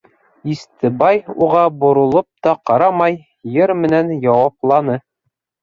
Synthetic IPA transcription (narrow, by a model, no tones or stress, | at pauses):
ist̪ɘbɑjuʁɑbŏɾŏlˠop̚t̪ɒqɑɾɑmɑj | jɤɾmɘ̆nænjɑwɑplˠɑnɤ